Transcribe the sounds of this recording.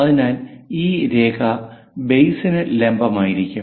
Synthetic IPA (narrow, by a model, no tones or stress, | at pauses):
ɐðinaːliːɾe̞ːkʰɐ | be̞jsinɨle̞mbɐmaːjiɾikʲːu